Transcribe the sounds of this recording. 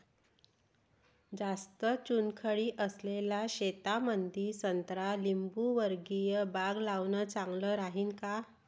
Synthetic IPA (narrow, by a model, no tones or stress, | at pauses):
d͡zast̪ət͡ɕunkʰəɭiːʔəslelaɕet̪amənd̪iːsənt̪ɾalimbuʋəɾɡijəbaɡlaʋnət͡saŋɡləːɾaɦiːnka